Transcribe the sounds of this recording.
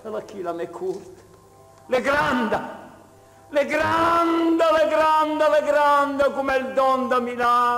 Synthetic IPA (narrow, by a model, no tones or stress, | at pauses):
alakilamɛkʰːuɾt̪ | leɡɾand̪a | leɡɾand̪alɛɡɾand̪alɛɡɾand̪akumɛld̪ɔnd̪amila